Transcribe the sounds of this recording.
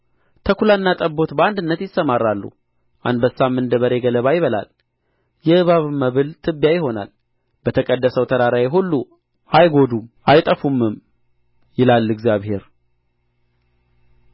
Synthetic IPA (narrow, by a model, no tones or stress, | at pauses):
t̪ʰəkulanːat̪ʼəbːo̞t̪bəand̪ɨnːət̪jɪsːəmarːalːṵh | ʔa̰nd̪bəsːamːɨnd̪əβəɾe̞ɡələβajɪβəla̰l | jɛʔɨβaβməβɨlt̪ʰɨbːjajɪho̞na̰l | b̥ət̪ʰəkʼəd̪ːəsəwt̪ʰəɾaɾajɪɦulːu | ʔajɡo̞d̪umʔajt̪ʼəfumːɨm | jɪlalːɨɡzjaβhe̞ɾ